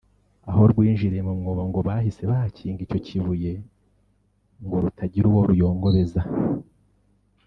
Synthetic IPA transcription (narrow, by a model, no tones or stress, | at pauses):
aɦo̞ɾɡwiːnʒiɾemumŋoːβaŋɡo̞βahise̞βahacʰiːŋɡico̞cʰiβuje̞ | ŋɡo̞ɾutʰaɟiɾuwo̞ɾujo̞ːŋɡo̞βe̞za